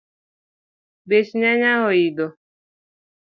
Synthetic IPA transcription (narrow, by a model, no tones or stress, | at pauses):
beʃɲaɲaɦɔidɔ